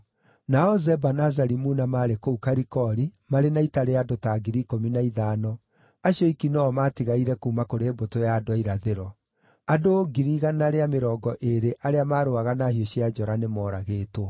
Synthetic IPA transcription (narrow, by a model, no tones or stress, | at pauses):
naɔzɛbanazaɾimuːnamaːɾekoukaɾikɔɾimaɾenaitaɾeadotaɡiɾikominaiðaːnɔ | aɕiɔikinɔːmaːtiɣaiɾɛkuːmakoɾeːbotojadoaiɾaðeɾɔ | adoːɡiɾiɣanaɾeameɾɔːɡɔʔeɾeʔaɾeamaːɾoaɣanahioɕiad͡ʒɔɾanemɔːɾaɣeːto